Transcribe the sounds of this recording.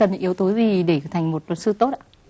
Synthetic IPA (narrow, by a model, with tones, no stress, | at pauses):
ə˨˩n˨ʔi˨˦əwt̪o˨˦zi˨˩ɗe˧˩t̪ʰa˨˩jŋ̟mo˨˩t̚lə˨˩t̚sɨ˧t̪o˦˥t̚ʔa˧˦